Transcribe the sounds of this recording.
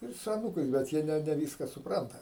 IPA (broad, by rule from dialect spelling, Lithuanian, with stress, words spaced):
ˈɪr sʊ ɐˈnuːkɐɪs bʲɛt ˈjiɛ ˈnʲɛ nʲɛˈʋʲiːskɐ sʊˈprɐntɐ